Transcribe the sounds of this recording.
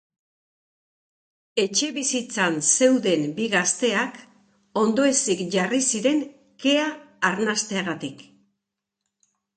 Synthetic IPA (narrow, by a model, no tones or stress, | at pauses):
e̞t͡ʃe̞βisit͡sanse̞wðe̞mbiɣast̪e̞ak | o̞nd̪o̞e̞sikʝarisiɾe̞ŋ | ke̞aː | ɾnast̪e̞aɣat̪ik